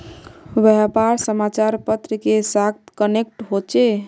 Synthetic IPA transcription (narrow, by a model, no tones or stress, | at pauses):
bɛpaɾsəmat͡ʃaɾpət̪ɾikesakt̪kənek̚ʈɦot͡ʃe